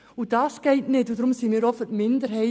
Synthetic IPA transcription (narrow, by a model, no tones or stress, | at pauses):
ud̥ɑːsɡ̥ɛɪtnɪtudɾʊmsimiːɾɔfətmɪndəɾɦɛɪ